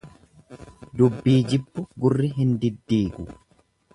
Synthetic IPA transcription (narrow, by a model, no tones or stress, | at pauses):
d̪ʊbːiːd͡ʒɪbːʊɡʊrːɪɦɪnd̪ɪd̪ːiːɡʊ